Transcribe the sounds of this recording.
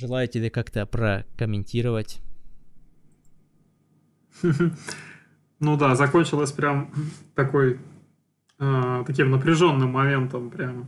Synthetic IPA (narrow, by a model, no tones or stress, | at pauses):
ʐɨlˠajʊtʲɪbʲekakt̪əpɾəkəmʲɪnʲtʲiɾəvətʲ | ɦm̩ | nud̪azɐkonʲt͡ɕɪlˠəsʲpɾʲamt̪ɐko̞j | ət̪ɐkʲimnəpɾʲɪʐo̞nːɨmːɐmʲe̞nt̪əmpɾʲamə